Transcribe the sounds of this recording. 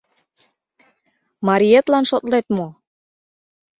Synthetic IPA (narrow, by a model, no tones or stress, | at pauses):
mɑɾʲiet̪lɑnʃot̪let̪mo